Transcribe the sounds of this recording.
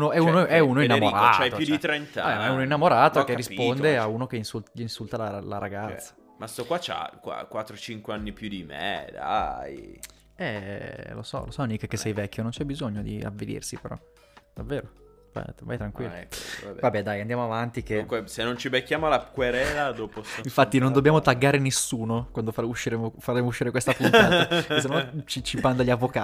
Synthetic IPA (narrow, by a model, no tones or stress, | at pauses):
unoɛunoɛunoinːamoɾatːt͡ʃajojut͡ʃd̪it̪ɾent̪aabɛmaɛunoinːamoɾaːt̪okerːisppond̪eauːnokeinsut̪ʎinsult̪alalaɾaɡat̪sːḁ | mast̪ɔkwat͡ʃa̰kwa̰kwat̪ːɾot͡ʃiŋkweanːipjud̪imḛd̪a̰j | ɛlo̰sɔ̰losɔnikːekːesːɛjvɛkʲːonont͡ʃɛbizoɲːod̪ḭa̰vːelḭrsipeɾɔ̰ | d̪̥avːeːɾo | va̰va̰jt̪ɾaŋkwilːɛkvabɛvabɛd̪ajand̪jamoavant̪ikeŋkwesenːont͡ʃibekːjaːmolakweɾɛlad̪oːpoiɱfat̪ːinond̪obːjaːmot̪aɡːaːɾenesuːnokwand̪ofauʃːiɾeːmofaɾeːmouʃːiːɾekwest̪apunnaːt̪akes̬enot͡ʃit͡ʃipand̪aʎːavːoka